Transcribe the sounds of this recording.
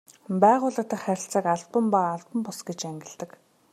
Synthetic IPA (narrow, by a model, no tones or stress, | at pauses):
pæːʁʊːɮə̆t̪ə̆χæɾʲɪ̆ɬt͡saːkaɮpə̆mpaːɮpə̆mpʊsɡet͡ɕæŋɡʲɪ̆ɮt̪ə̆k